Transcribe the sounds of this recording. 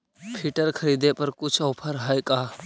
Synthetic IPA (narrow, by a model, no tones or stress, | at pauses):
pʰiːʈəɾkʰəɾiːd̪epɐɾkʊt͡ʃʰɔːpʰəɾɦajkaː